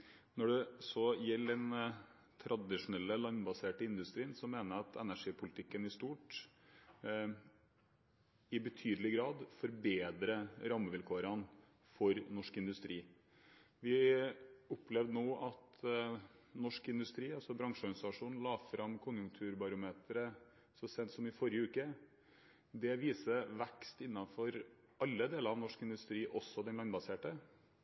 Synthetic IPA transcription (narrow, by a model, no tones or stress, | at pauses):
nɔɖɛsɔjɛlːɛn | t̪ʰɾʔɑd̪ɪʂʊnɛlːəlɑnbɑseːʈɪnd̪ʉst̪ɾiːnsɔmeːnəɾɑt̪ʰɛ̰næʂiːpʰʊlɪt̪ʰɪkːənɪst̪uːʈ | ɪbət̪ʰyːd̪əlɪɡɾɑːd̪fɔɾbeːd̪ɾəɾɑmːəʋɪlkʰoːɾɑn | fɔɾnɔʂkɪnd̪ʉst̪ɾiː | ʋɪ | ʊpʰːlɛʋd̪ənoːʔɑt̪ | nɔʂkɪnd̪ʉst̪ɾiːɑlsɔbɾɑŋʂɔɾɡɑnɪsɑʂuːn̩lɑːfɾɑmːkʰʊnjʊŋkt̪ʰʉːɾbɑɾʊmeːt̪ɾə | sɔsɛt̪sɔmɪfɔɾjəʉːkə | d̪ɛʋiːsəʋɛkst̪ɪnːɑfɔɾ | ʔɑlːəd̪eːləɾɑʋnɔʂkɪnd̪ʉst̪ɾiːʔɔsːɔd̪ɛnlɑnbɑseːʈə